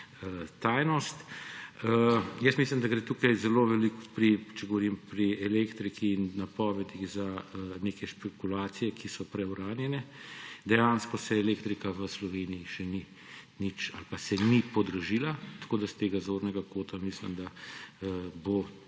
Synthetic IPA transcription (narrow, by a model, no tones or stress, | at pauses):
ət̪ajnɔst̪əjəsmislimd̪aɡɾet̪uːkajzɛloʋɛlikpɾit͡ʃɛɡɔʋɔɾimpɾiɛleːkt̪ɾikiːnːapɔːʋɛd̪iɣzaneːkɛʃpɛkulaːt̪sijɛkʰisɔpɾɛwɾaːnjɛnɛd̪ɛjaːnskɔsɛɛleːkt̪ɾikaʋəslɔʋeːnijiʃɛni | nit͡ʃalpasɛnipɔd̪ɾɔʒilat̪ɐ̥koːd̪ast̪eːɡazoːɾnɛɡakoːt̪amislḭmd̪a | bo